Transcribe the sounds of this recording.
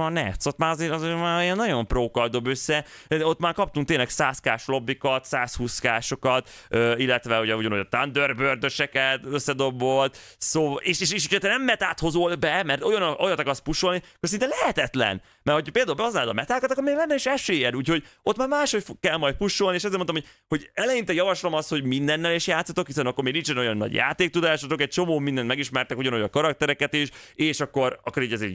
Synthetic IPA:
nɛ̰t̪so̞t̪maːɾɒzeːɾɒzeːmaːijɛnːɒɟo̞mproːkɒld̪o̞bøsːɛ | ot̪maːɾkɒp̚t̪uŋk̚t̪eːnlɛksaːskaːʃlo̞bːikɒt̪saːshuːskaːʃo̞kɒt̪ | øːilːɛt̪ʋɛuɟɛuɟɔnojɒt̪and̪ørbørd̪øʃɛkɛt̪øsːɛd̪o̞bolt̪ | soːeːʃeːʃeːʃocʰɒt̪ɛnɛmːɛt̪aːt̪ho̞zolbɛmɛrt̪ojɒnʔojɒnt̪ɒkɒrs̚puʃo̞lnikːorsinenlɛhɛt̪ɛt̪lɛ̰n | mɛrhoctɒpeːld̪aulbɛɒs̬naːld̪ɒ̰mɛt̪aːkɔt̪ɒkːoɾmeːɡlɛnːɛiʃɛʃeːjɛnuːcho̞ɟo̞t̪maːɾmaːʃho̞cfkɛlmɒjd̪t̪̚puʃːo̞lnieːʃɛzeːmot̪mhojho̞ɟɛlɛjint̪ɛjɒvɒʃlomɒst̪ho̞ɟmind̪ɛnːɛliʃjaːt̪sːɒt̪o̞khisɛnɒkːoɾmeːɡnint͡ʃɛno̞jɒnːɒ̰ɟja̰ːt̪eːk̚t̪ud̪aːʃɒt̪okɛc̚t͡ʃo̞moːmind̪ɛnmɛɡiʃmɛrt̪ɛkuɟɒnojɒkɒɾɒk̚t̪ɛɾɛkɛt̪iʃeːʃɒkːo̞ɾɒ̰kːoɾiːɟɛzḛː

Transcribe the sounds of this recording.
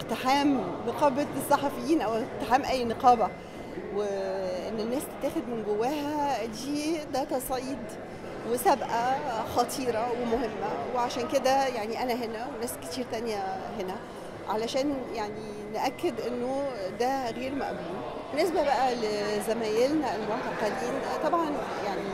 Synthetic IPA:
ʔeqt̪eħaːmneqɑːbæsˤːɑħɑfejːiːnʔæweq̚t̪eħaːmʔæjːneqɑːbæ | weʔenːenːæːst̪e̥t̪ːæːxed̪menɡowːæːɦæd̪iːd̪æːt̪ɑsˤʕiːd̪ | wesæbʔæxɑt̪ˤʰiːɾˤɑwemohemːæweʕaʃæːnked̪æjaʕniʔænæɦenæwenæːske̥t̪iːɾt̪ænjæɦenæ | ʕalæʃæːnjaʕni | nʔækːed̪ʔenːod̪æɣeːɾmæ̰ʔbuːn | enːesbæbæʔælezæmæːjelnæelmoʕt̪ɑqɑliːnt̪ˤɑbʕɑn | jaʕni

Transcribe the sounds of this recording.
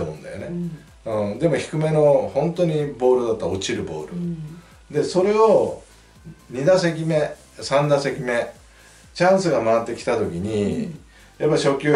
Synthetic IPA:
omõ̰nd̪a̰jo̞̰ne̞ | ɯ̃d̪e̞mo̞çi̥kɯ̟me̞no̞hõ̞nt̪o̞ɲ̟ibo̞ːɾɯ̟d̪at̪ːaot͡ɕiɾɯ̟bo̞̰ːɾɯ̟ | d̪e̞so̞ɾe̞o̞ | ɲ̟id̪as̬ekʲime̞ | sãnd̪ase̞kʲime̞ | t͡ɕãɰ̃sɨɡamaːt̪ːe̞kʲi̥t̪at̪o̞kʲiɲ̟i | japːaiɕo̞kʲo

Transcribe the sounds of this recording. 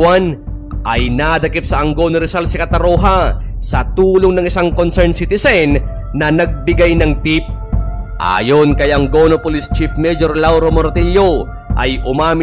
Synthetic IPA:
wan | ʔɐjnad̪ɐkɪp̚sɐʔɐŋɡoːnoɾɪsalsɪkɐt̪ɐɾoːɦɐsɐt̪uːloŋnɐŋɪsaŋkonsɛɹnsit̪ɪsɛnː | ɐnɐɡ̚bɪɡajnɐŋt̪ip̚ʔa̰jonkɐjaɐŋɡonopolist͡ʃifmɛd͡ʒoɾlawɾomoɾt̪ɛljo | ʔɐ̰jʔʊmaːmɪ

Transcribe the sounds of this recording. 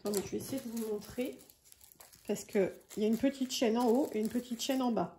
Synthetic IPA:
k̪ɑ̃mɛ̃tyesejed̪əvumɔ̃t̪χe | paʁsə̥kʰəiljaynpət̪ʰit̪ʃɛnɑ̃oʔeynpət̪ʰit̪ʃɛnɑ̃ba

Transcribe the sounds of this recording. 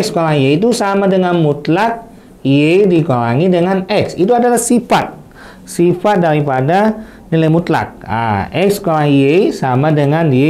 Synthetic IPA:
ɛkskolajeit̪̬usamadəŋanmut̪lak̚ | iedikola̰ŋidəŋanɛksit̪̬uadalahsifat̪̚ | sifat̪̚daɾipada | nilajmut̪la̰k̚a̰ɛkskolaŋiesamadəŋane

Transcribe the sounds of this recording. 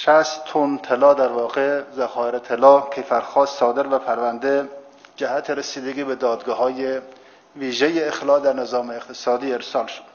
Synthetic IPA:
ʃæst̪t̪ʰont̪ʰelɒːd̪æɾvɒːɣezæxɒːeɾet̪ʰelɒːkʲʰejfæɾxɒːsɒːd̪eɾvæpʰæɾvænd̪e | d͡ʒæhæt̪ʰeɾesiːd̪eɡiːbed̪ɒːd̪ɡɒːɦɒːje | viːʒejeːxlɒːd̪æɾnezɒːmeːqt̪ʰesɒːd̪iːeɾsɒːlʃo̥d̪̥

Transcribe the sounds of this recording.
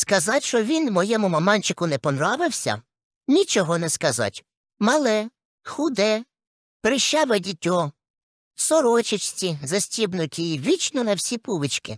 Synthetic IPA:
skɐzɑtʲʃɔʋʲinmɔjɛmʊmɐmɑnʲt͡ʃɪkʊnɛpɔnɾɑʋɪwsʲɐ̰ | nʲit͡ʃɔɦɔnɛskɐzɑ̰tʲ | mɐlˠɛ | xʊd̪ɛ | pɾɪʃt͡ʃɑʋɛdʲitʲɔ | sɔɾɔt͡ʃɪt͡ʃt͡sʲizɐsʲtʲibnɔkʲiʋʲit͡ʃnɔnɐwsʲipuʋɪt͡ʃkɪ̰

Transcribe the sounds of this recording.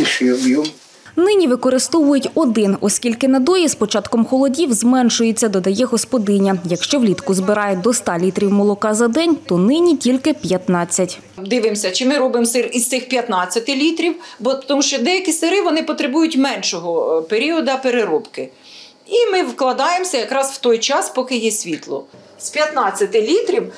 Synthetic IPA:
ʃɪbjum | nɪnʲiʋɪkɔɾɪst̪ɔʋʊjʊtʲɔd̪ɪnɔskʲilʲkɪnɐd̪ɔjispɔt͡ʃɑt̪kɔmxɔlˠɔdʲiwzmɛnʃʊjet͡sʲːɐd̪ɔd̪ɐjɛɦɔspɔd̪ɪnʲɐjɐkʃt͡ʃɔwlʲit̪kʊzbɪɾɑjɛd̪ɔst̪ɑlʲit̪ɾʲiwmɔlˠɔkɑzɐd̪ɛnʲt̪ɔnɪnʲitʲilʲkɪpʲjɐt̪nɑt͡sʲːɐtʲ | d̪ɪʋɪmsʲɐt͡ʃɪmɪɾɔbɪmsɪrist̪ɪxpʲjɐt̪nɑt͡sʲːɐt̪ɪlʲit̪ɾʲiwbɔt̪ɔmuʃt͡ʃɔd̪ɛjɐkʲisɪɾɪʋɔnɪpɔt̪ɾebujʊtʲmɛnʃɔɦɔpeɾʲiɔd̪ɐpeɾeɾɔpkɪ | imɪwklˠɐd̪ɑjemsʲɐjɐkɾɑswt̪ɔjt͡ʃɑspɔkɪjɛsʲʋʲit̪lˠɔ̰ | spʲjɐt̪nɑt͡sʲːɐt̪ɪlʲit̪ɾʲiw

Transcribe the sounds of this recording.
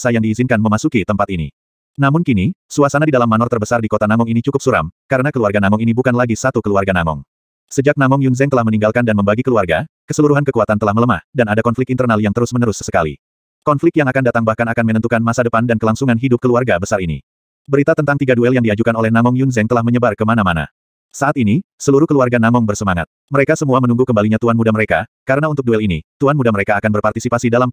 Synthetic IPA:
sajaŋdiːzinkanməmasukit̪əmpat̪inḭ | namʊnkinisuasanadidalamːanɔrt̪ərbəsardikot̪anaŋɔŋinit͡ʃukʊp̚suɾa̰mkaɾənakəluarɡanaŋɔŋinibukanlaɡisat̪ukəluarɡanaŋɔ̰ŋ | səd͡ʒak̚naŋɔŋjunzɛŋt̪əlahməniŋɡalkandanməmbaɡikəluarɡakəsəluɾuɦankəkuat̪ant̪əlahmələma̰hdanadakɔnflɪk̚int̪ərnaljaŋt̪əɾʊsmənəɾʊssə̥kalḭ | kɔnflɪk̪̚jaŋakandat̪aŋbahkanakanmənənt̪ukanmasadəpandankəlaŋsuŋanɦidʊp̚kəluarɡabəsarinḭ | bəɾit̪at̪ənt̪aŋt̪iɡaduɛljaŋdiad͡ʒukanolɛhnaŋɔŋjunzɛŋt̪əlahməɲəbarkəmanamana̰ | saʔat̪inisəluɾuhkəluarɡanaŋɔŋbərsəmaŋa̰t̪̚məɾekasəmuamənuŋɡukəmbaliɲat̪uanmudaməɾekakaɾənaunt̪ʊk̚duɛlinit̪uanmudaməɾekaːkanbərpart̪isipasidalam

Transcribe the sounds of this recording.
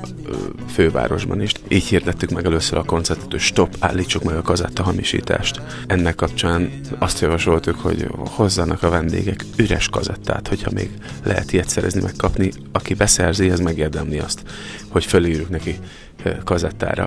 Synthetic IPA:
føːva̰ːɾo̞ʒbɒniʃʔiːchiːrd̪ɛt̪ːykmɛɡɛløsːøɾɒko̞nt̪sɛt̪t̪ːuʃt̪o̞pːaːlːiːt͡ʃːukmɛɡɒkɒzɛt̪ːɒɦɒmiʃḭːt̪a̰ːʃt̪ | ɛnːɛkːɒp̚t͡ʃaːn | ɒst̪jɒvɒʃo̞lt̪ukho̞̰ɟho̞zːɒnɒkɒvɛnd̪ḛːɡɛkyɾɛʃkɒzɛt̪ːa̰ːt̪ho̞chɒmḛːɡ | lɛɦɛ̰t̪ʰijɛt̪sɛɾʔɛ̰znḭmɛkːɒpni | ɒkibɛsɛrziɛzmɛɡeːrd̪ɛmliɒst̪ | ho̞cfølːiːɾyŋknɛki | kɒzɛt̪ːa̰ːɾɒ̰

